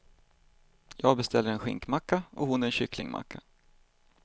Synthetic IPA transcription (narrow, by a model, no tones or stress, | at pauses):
jɑːɡ̚bɛst̪ʰɛlːəɾɛnɧɪ̰ŋkmakːaɔhʊnæɾɛnɕʏklɪ̰ŋmʔa̰kʰːa